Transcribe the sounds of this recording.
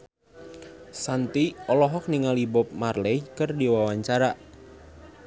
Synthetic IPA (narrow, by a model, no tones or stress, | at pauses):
sant̪iɔlɔɦɔk̚niŋalibɔp̚marlɛikərdiwawaɲt͡ʃaɾaʔ